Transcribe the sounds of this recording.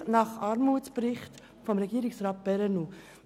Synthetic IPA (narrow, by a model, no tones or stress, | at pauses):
nɑχɑɾmuːtspɾɪχt | fɔmɾɛɡiːɾɪksɾɑːt̚b̥ɛɾɛnu